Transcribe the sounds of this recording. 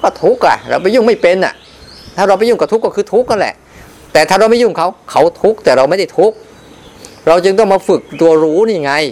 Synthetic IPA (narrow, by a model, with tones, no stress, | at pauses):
kɔ˥˩t̪ʰu˦˥k̚ʔa̰˧˩ɾa̰˧wpa˧jːuː˥˩ŋma˥˩jpe˧nʔa̰˨˩ʔ | t̪ʰaː˥˩ɾa˧wpa˧˩jːu˥˩kɔ˧˥˩t̪ʰu˦˥kːɔ˥˩kʰɯː˧t̪ʰu˦˥k̚ːa˧˥nlɛ̰˨˩ʔ | t̪ɛː˨˩t̪ʰaː˥˩ɾa˧wma˥˩jːuː˥˩ŋkʰa˦˥wkʰa˦˥wt̪ʰu˦˥k̚t̪ɛː˨˩ɾa˧wma˥˩jda˥˩jt̪ʰu˦˥k̚ | ɾa˧wt͡ɕɯ˧ŋt̪ɔ˥˩ŋmaː˧fɯ˨˩k̚t̪u˧ɐɾuː˦˥niː˥˧˩ŋa˧j